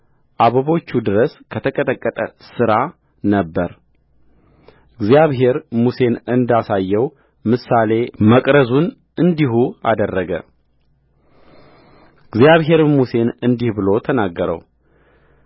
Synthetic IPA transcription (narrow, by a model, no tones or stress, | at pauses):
ʔaβəβo̞t͡ʃːud̪ɨɾəskʰət̪ʰəkʼət̪ʼəkʼːət̪ʼəsɨɾa | nəbːəɾ | ɨɡzjaβɦe̞ɾmuse̞nɨnd̪asajːɛw | mɨsale̞məkʼɾəzun | ɨnd̪iɦua̰d̪ərːəɡə̰ | ɨɡzjaβɦe̞ɾmuse̞nɨnd̪ihbɨlo̞t̪ʰənaɡːəɾə̰w